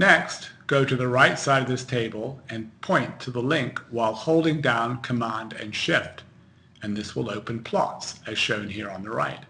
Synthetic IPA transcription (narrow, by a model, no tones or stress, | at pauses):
nɛkstɡ̥oʊɾɨðɨɹaɪtsaɪɾʌvðɪstʰeɪbəl̩ˠɨ̃npʰɔ̃ɪ̃ntʰɨðəlɪ̃ŋkwaɪlˠhoʊlˠdɪ̃ŋdãʊ̃nkʰəmæ̃ndɨ̰̃nʃɪft | ɨ̃nðɪswə̰lˠoʊpɨ̃npʰl̥ɑ̰tsɨz̥ʃõʊ̃nɦiɹə̃nðəɹa̰ɪt̚